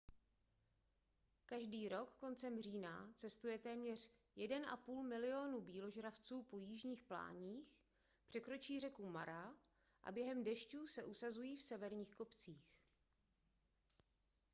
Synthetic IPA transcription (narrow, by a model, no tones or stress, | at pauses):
kaʒdiːɾo̞kːo̞nt͡sɛmr̝iːnat͡sɛst̪ujɛt̪ɛːmɲɛr̝̥jɛdɛnʔa̰puːlmɪlɪo̞nubiːlo̞ʒɾaft͡suːpo̞jiːʒɲiːxpla̰ːɲiːx | pr̥ɛkɾo̞t͡ʃiːr̝ɛkuma̰ɾa | ʔa̰bjɛɦɛmdɛʃcuːsɛʔusazujiːfsɛvɛɾɲiːxko̞pt͡siːx